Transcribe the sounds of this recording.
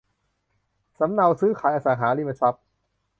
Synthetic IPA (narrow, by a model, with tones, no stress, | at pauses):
sa˨˦mna˧wsɯː˦˥kʰaː˨˦jʔaː˧saː˨˩˦ŋɦaː˩˦liː˥˩ma˧˩t͡ɕʰa˦˥p̚